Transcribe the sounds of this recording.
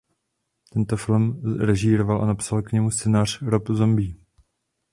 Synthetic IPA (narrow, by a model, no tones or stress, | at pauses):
t̪ɛnt̪ofɪlmɾɛʒiːɾovalʔa̰napsalkɲɛmust͡sɛnaːr̝̥ɾopzo̞mbiː